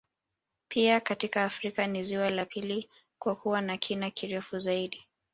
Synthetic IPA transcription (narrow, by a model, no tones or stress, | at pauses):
pʰiakatikaːfɾikaniziwalapʰili | kwakuwanakʰinakʰiɾɛfuzaiɗi